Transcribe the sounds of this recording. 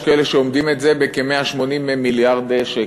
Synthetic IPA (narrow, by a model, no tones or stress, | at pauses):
kaeleʃeomd̪imetzebekemeaʃmo̞nimemiljaʁd̪ʃe